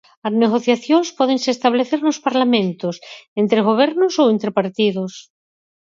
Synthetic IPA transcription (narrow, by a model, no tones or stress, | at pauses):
azneɣoθjaθjonspɔðeŋsest̪aβ̞leθeɾnospaɾlamẽnt̪osent̪ɾeɣ̞oβ̞eɾnosoent̪ɾepaɾt̪ið̞os